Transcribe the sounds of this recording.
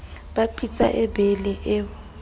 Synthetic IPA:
bapʰʼit͡sʼa̰ʔɛbɛlɛʔɛ

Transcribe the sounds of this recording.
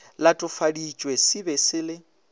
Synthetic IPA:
latʼʊfadit͡ʃʼwesɪbɛsɪlɪ

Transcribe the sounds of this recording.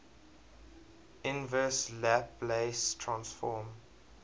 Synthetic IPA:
ɪ̃nvəslɛplestʰɹãnsfɔːm

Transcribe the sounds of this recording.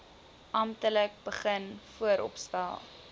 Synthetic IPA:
ʔɐmtələk̚b̥əχənfuəɾɔ̰pstɑ̰ːlˠ

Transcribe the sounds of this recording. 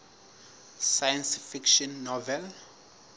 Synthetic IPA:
sajãnsfikʃɔ̃nːɔvɛl

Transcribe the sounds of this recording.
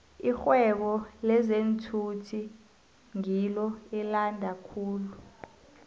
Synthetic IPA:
ixwɛɓɔlɛzentʰutʰi | ŋilɔɛlandʱakʰuːlu

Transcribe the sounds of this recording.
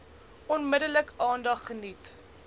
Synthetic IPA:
ɔnmədələkɑːndɐχːənit

